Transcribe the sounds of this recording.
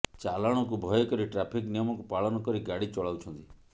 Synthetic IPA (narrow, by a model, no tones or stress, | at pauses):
t͡ʃalaɽ̃ɔkubʱɔjɔkɔɾiʈɾapʰiknijɔmɔkupaɭɔnɔkɔɾiɡaɽit͡ʃɔɭawt͡ʃʰɔnt̪i